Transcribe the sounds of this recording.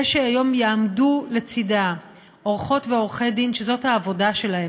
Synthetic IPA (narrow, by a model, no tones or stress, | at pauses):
eʃeajo̞mjaamdule̞t͡sida | oʁχo̞tveo̞ʁχe̞jdinʃezo̞thaːvo̞daʃe̞lahe